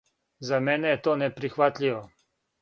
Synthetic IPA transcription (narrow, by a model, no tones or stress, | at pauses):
zamɛːnɛjɛt̪oːnɛpɾixʋat̪lʲiʋɔ